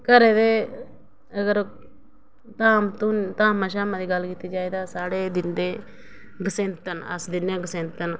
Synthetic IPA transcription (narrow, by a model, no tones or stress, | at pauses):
kɐɾed̪eː | ɐɡəɾ | t̪aːmt̪unt̪aːmːaʃ̬aːmad̪iɡalɡit̪id͡ʒaːed̪aːsaːɽed̪ɪnd̪e | ɡəsẽːnt̪ɐnɐ̰sd̪ɪneɡəsẽːnt̪ən